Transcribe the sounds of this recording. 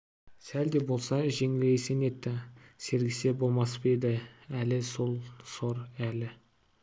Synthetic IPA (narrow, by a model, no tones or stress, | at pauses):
sæld̪e̞bo̞lˠsɑʒeŋɪlesene̞t̪ːɪse̞ɾɡʲɪse̞bo̞lˠmɑsped̪ɪælɪsolˠso̞ɾælɪ